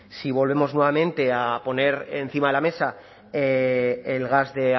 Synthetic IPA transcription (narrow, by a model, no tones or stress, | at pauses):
siβo̞lβ̞e̞mo̞znwe̞β̞amẽnt̪e̞apo̞ne̞ɾḛnθimaðelame̞sa | eːelɣazðe̞